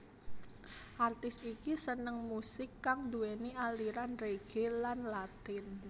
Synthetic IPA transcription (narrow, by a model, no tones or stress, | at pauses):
ʔart̪ɪst̪ikisənəŋmusɪkːaŋd̪uenialiɾanreɡ̥elanlat̪ɪn